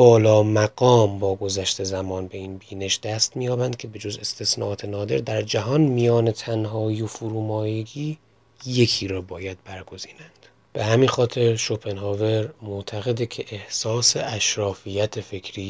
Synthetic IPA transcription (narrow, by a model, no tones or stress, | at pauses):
bɒːlɒːmæɡɒːmbɒːɡo̞zæʃt̪ʰe̞zæmɒːnbe̞iːnbiːne̞ʃd̪̥æst̪mijɒːbænd̪̚cʲʰe̞be̞d͡ʒo̞ze̞st̪ʰesnɒ̰ːʔɒːt̪ʰe̞nɒːd̪e̞̰ɾd̪æɾd͡ʒæɦɒːnmijɒːnet̪ʰænɦɒːiofuːɾuːmɒːjeɡiː | je̞kʰiːɾɒːbɒːjæd̪̥̚bæɾɡo̞ziːnænd̪̥ | b̥e̞hæmiːnxɒːt̪ʰe̞ɾʃopʰe̞nɦɒːve̞ɾmoʔt̪ʰæɣe̞d̪ecʰe̞ʔehsɒːseʔæʃɾɒːfijæt̪ʰefe̞kʰɾiː